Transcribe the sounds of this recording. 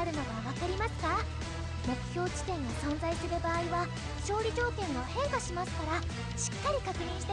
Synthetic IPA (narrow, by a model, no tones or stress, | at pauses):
aɾɯ̟nad̪oβaβakaɾʲimasɨ̥ka | mo̞kɯ̟̥çʲo̞ːt͡ɕi̥t̪ẽ̞ŋɡasõ̞nzaisɨɾɯ̟baːiβa | ɕo̞ːɾʲid͡ʑo̞ːkẽ̞ŋɡohẽ̞ŋkaɕimasɨ̥kaɾa | ɕi̥kːaɾʲikakɯ̟ɲ̟ĩɰ̃ɕi̥t̪e